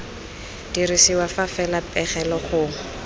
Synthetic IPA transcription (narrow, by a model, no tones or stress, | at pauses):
d̥irisiwafafɛlapʼɛχɛlɔχʊːŋ̩